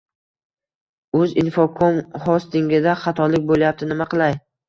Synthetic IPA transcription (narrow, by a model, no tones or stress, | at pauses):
ɵzɪnfokʰomhɒst̪ɪŋɡʲɪd̪aχɑt̪ʰɒlɪk̚ʲbolˠajap̚t̪ʰɪnɪmaqɨlˠaj